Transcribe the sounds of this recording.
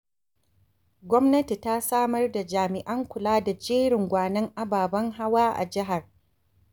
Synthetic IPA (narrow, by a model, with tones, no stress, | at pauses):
ɡʷɔ˦mnɐ˦ti˨ta˦saː˦mɐ˦rda˨d͡ʒaː˨mɪ˨ʔɐ˦ŋkʷʊ˨laː˦da˨d͡ʒeː˦ɽɪ˨ŋɡʷaː˨nɐ˦ŋʔa˦baː˨bɐ˦ŋɦa˦waː˦ʔa̰˨d͡ʒɪ˦ɦa˨r